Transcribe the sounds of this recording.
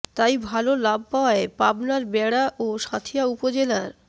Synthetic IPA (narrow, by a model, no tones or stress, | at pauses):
t̪ajbʱalolab̚paoaepabnaɾbɛɽaʔoʃat̪ʰiaupod͡ʑelaɾ